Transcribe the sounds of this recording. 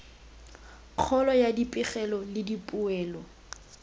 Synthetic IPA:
q͡χʰɔlɔjadipʼɪχɛlɔlɪdipʼuɛːlɔ

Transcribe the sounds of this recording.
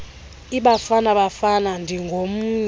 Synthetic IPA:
iɓafanaɓafanandʱiŋɡʱom̩ɲ

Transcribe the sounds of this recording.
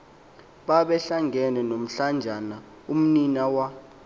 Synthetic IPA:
ɓaɓɛɬaŋʱɛnɛnom̩ɬand͡ʒʱana | um̩ninawa

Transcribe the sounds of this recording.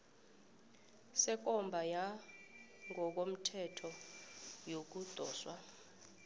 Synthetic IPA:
sɛk̬ɔmbʱaja | ŋɔk̬om̩tʰɛtʰɔ | jok̬ud̥ʱɔ̰ːswa

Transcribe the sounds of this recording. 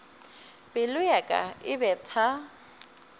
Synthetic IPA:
bɪlʊjakʼa̰ɪbɛtʰa

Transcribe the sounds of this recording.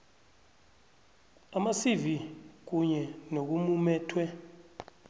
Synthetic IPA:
amasivik̬uɲɛnok̬umumɛːtʰwɛ

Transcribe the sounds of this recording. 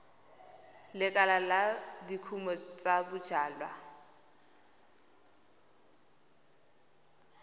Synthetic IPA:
lɪkʼalaladikʰumɔt͡sʼabʊd̥ʒ̥aːlwa

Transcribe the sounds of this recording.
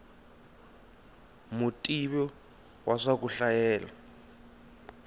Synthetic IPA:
mutʼiɓɔ | waʂak̬uɬajɛːla

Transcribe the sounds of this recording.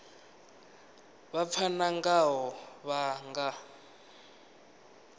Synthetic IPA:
βap̪fʰanaŋɡaɦɔβaŋɡa

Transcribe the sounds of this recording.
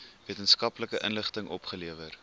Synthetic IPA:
viətənskɐpləkəʔənləχtəŋʔɔpχəliəvər

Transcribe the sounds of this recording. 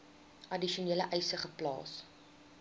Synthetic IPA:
ʔɐdiʃiuniːləʔɛjsəχəplɑ̰ːs

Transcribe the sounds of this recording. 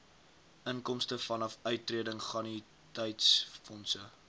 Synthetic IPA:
ʔəŋkɔmstəfɐnɐfœɥtːriədəŋχɐni | tɛjtsfɔnsə

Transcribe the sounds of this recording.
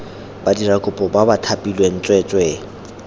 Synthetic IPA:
badirakʼʊpʼɔbabatʰapʼilwen̩t͡ʃʼwɛt͡ʃʼwɛ

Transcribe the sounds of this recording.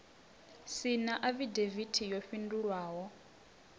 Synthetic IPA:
sinaʔaβidevitʰijɔɸinduɺwaːɦɔ

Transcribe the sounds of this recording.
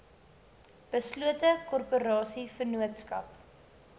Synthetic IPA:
b̥əsluətəkɔrpuɾɑːsifərnuətskɐp

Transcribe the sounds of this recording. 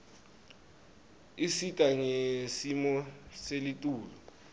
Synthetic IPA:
isitʼaŋesimɔselitʼuːlɔ

